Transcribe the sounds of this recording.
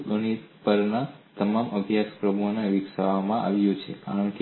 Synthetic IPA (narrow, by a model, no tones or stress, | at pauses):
ɡənit̪pəɾnat̪əmamʔəbʱjaspɾəbuɦoneʋɪksaʋamãʔa̰ʋjũt͡ʃʰeka̰ɾəɳke